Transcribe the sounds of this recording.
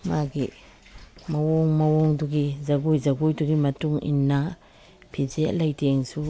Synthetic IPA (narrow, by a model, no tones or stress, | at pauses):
maɡi | mɐwoŋmɐwoŋduɡizɐɡujd͡ʒɐɡujduɡimɐtuŋḭnːa | pʰid͡ʒeʔlɐjteŋsu